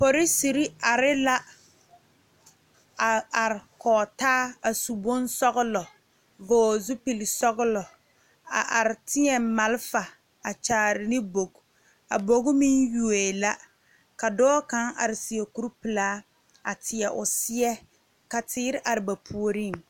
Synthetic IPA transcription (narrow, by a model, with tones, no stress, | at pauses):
po˨ɾɪ˦si˨ɾi˦a˨ɾɪ˦la˦ | a˨a˨ɾɪ˨kɔː˨taː˦a˨su˨bo˦nsɔ˦ɣʊ˦lɔ˨ | vɔː˦zʊ˦pi˨lɪ˨sɔ˦ɣʊ˦lɔ˨ | a̰˨ʔa˨ɾɪ˨tɪ˦ɲɛ˨ma˨lfa˨ | a˨t͡ʃaː˨ɾɪ˨nɪ˦bo˨ɡ | a˨bo˨ɣʊ˦mi˦nju˨e˨la˦ | ka˨dɔː˦ka˦ŋʔa̰˨ɾɪ˨si˨ɛ˨ku˦ɾpɨ˨laː˦ | a˨tʰɪ˨ɛ˨ʔʊ̰˨sɪ˦ɛ˦ | ka˨tɪː˦ɾɪ˦ʔa˨ɾɪ˨ba˨pʰu˦o˦ɾi˦ŋ